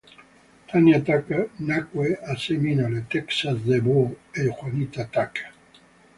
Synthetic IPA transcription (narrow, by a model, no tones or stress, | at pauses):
t̪ʰanjat̪akanakweaseminalet̪ɛksasd̪eboexwanit̪at̪ak